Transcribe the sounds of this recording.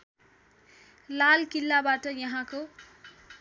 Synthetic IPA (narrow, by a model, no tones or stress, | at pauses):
lalkilːabaʈʌjʌɦãko